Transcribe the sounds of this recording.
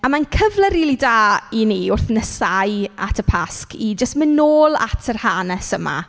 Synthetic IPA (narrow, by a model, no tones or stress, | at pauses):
amankʰəvlˠəɾilˠidaːiniʊrθnəsaja̰tʰəpʰaskid͡ʒəstmɪnoːlˠa̰tʰərhanɛsəma̰